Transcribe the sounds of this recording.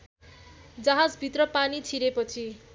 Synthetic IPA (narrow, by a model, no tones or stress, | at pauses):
d͡zʌɦad͡zbʱit̪rʌpanit͡sʰiɾepʌt͡sʰi